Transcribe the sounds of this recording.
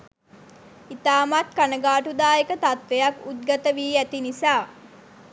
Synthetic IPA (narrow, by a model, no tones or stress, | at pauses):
it̪aːmat̪kanəɡaːʈud̪aːjekət̪at̪ʋejakut̪̚ɡat̪əʋiːæt̪inisaː